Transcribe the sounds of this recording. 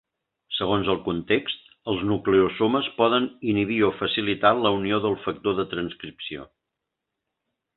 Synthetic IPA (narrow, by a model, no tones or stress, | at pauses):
səɣ̞onzəlˠkunt̪ekst̪ | əlˠznukleosoməspɔðəniniβiɔfəsilit̪aləunioðəlˠfək̚t̪oðət̪ɾənskɾipsio̰